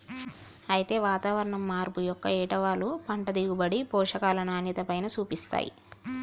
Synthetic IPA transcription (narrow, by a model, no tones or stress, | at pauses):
ɐjit̪e̞ːʋaːt̪aːʋɐɾɐɳɐmːaːɾbujɔkːɐɛːʈɐʋaːlupɐɳʈɐd̪iɡubɐɽipɔːʂɐkaːlɐnaːnit̪ɐpɐjnɐt͡ʃuːpist̪a̰ːjḭ